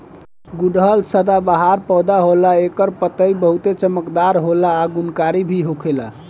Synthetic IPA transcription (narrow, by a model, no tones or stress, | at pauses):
ɡuɖɦəlsəd̪abaɦaɾpɔwd̪aɦolaekəɾpət̪əibəɦut̪et͡ʃəməkd̪aɾɦolaːɡunkaɾibʱiɦokʰela̰